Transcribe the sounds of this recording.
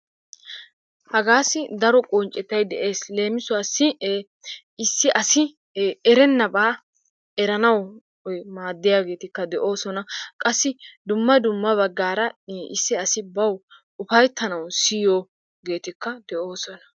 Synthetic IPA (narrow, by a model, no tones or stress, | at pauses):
hɐɡaːsːɪd̪ɐɾɔkʼɔnt͡ʃʼɛt̪ːɐjd̪ɛʔeːsle̞ːmɪsʊwaːsːɪ | ɪsːɪʔɐsɪ | ɛɾɛnːɐbaː | ɛɾɐnɐw | maːd̪ːɪjaːɡe̞ːt̪ɪkːɐd̪ɛʔo̞ːsɔnɐkʼɐsːɪd̪ʊmːɐd̪ʊmːɐβɐɡːaːɾɐʔɪsːɪɐsɪbɐw | ʊfɐjt̪ːɐnɐwsijoː | ɡe̞ːt̪ɪkːɐd̪ɛʔoːsɔnɐ̥